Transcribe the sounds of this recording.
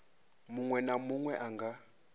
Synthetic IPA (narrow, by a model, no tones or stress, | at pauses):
muŋwɛnamuŋwɛʔaŋɡa